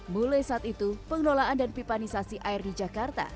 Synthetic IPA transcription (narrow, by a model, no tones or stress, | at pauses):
mulajsaːt̪it̪upəŋlolaʔandanpipanisasiʔaɪrdid͡ʒakart̪a̰